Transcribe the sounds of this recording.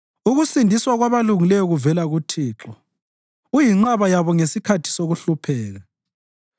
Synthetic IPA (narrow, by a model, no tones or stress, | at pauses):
uɣusindʱiswaɣwaβaluŋilɛjɔɣuvɛlaɣutʰiːǁɔ | ujiŋ͡ǁaβajaβɔŋesikʰatʰi̥soɣuɬupʰɛːɣa